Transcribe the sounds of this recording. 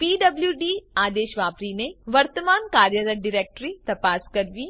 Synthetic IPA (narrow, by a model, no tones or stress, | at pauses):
piːɖɐbljuɖiːaːd̪eːʃʋaːpɾineʋɐɾt̪əmaːnkaːɾjəɾəɖɪɾeːk̚ʈɾit̪ɐpaːskɐɾʋiː